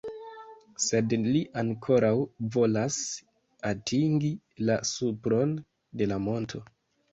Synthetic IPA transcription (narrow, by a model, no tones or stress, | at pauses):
se̞dliʔaŋkʰo̞ɾawvo̞las | atʰiŋɡi | lasupɾo̞n | de̞lamo̞ntʰo̞